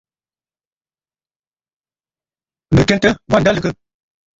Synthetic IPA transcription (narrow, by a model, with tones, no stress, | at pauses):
nə˨ke˦ntə˦ba˦˨da˦lɨ˨kə˦